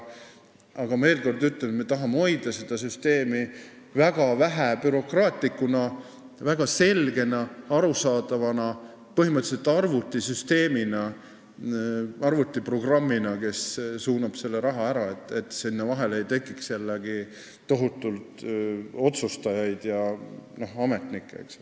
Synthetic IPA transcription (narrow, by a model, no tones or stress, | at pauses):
ɑɡ̥ɑme̞ːlko̞rd̪yt̪lenet̪met̪ɑɦɑmeo̞jd̪ɑse̞d̪̥ɑsyst̪e̞ːmi | væɡ̥ɑvæɦæpyɾo̞krɑːt̪ˑikːˑunɑ | væɡ̥ɑse̞lɡ̥e̞nɑɑɾusɑːd̪̥ɑvɑnɑ | pɤɦimɤt̪ːset̪ːˑɑrvut̪ːˑisyst̪e̞ːminɑ | ɑrvut̪ːˑipro̞ɡ̥rɑmːinɑke̞ssuːnɑb̥se̞lːeɾɑɦɑæɾɑe̞t̪ːˑe̞t̪ːsinːevɑɦe̞lejt̪e̞kːˑikselːeɡ̥i | t̪o̞ɦut̪ːˑult̪o̞t̪sust̪ɑjɑjd̪̥jɑno̞hɑme̞t̪nikːˑḛks